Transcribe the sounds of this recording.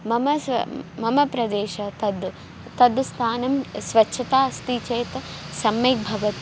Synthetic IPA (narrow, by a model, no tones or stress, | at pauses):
mɐmɐmɐmɐpɾɐd̪eːʃɐt̪ɐd̪ | t̪ɐd̪st̪ʰaːnɐmsʋɐtːʃʰɐt̪aːɐst̪iːt͡ʃeːt̪ɐ | sɐmeːk̚bʱɐʋɐt̪i